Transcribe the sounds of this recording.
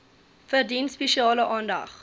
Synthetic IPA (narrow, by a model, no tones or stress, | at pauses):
fərdinspeʃiɑːləʔɑːndɐ̰χ